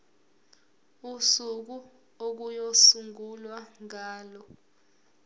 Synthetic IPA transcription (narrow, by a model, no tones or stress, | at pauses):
usuk̬u | ok̬ujosuŋulwaŋaːlɔ